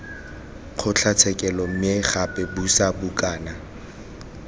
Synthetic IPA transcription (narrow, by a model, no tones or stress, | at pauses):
χʰʊt͡ɬʰat͡sʰɛkʼɛlɔm̩eχapʼɛbusabʊkʼaːna